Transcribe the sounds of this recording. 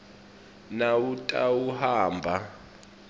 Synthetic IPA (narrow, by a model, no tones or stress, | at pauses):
nautʼa̰wuhaːmbʱa